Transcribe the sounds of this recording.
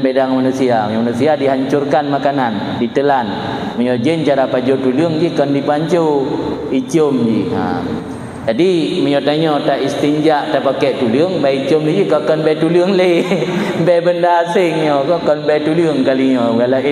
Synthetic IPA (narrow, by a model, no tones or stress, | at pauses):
bedaŋmanusiaməɲɔmanusiadiɦaɲt͡ʃʊrkanmakanan | dit̪əlan | məɲɔd͡ʒənt͡ʃaɾapaɲd͡ʒot̪uləŋd͡ʒikɔndipaɲt͡ʃowit͡ʃomd͡ʒiə̰m | d͡ʒadiməɲɔt̪aɲɔt̪aʔist̪iɲd͡ʒaʔt̪apakɛʔt̪uləŋbait͡ʃomlid͡ʒikakɔnbat̪uləŋləjbɛbəndaːsɪŋjɔkɔkɔnbat̪uləŋkaliɲɔɡala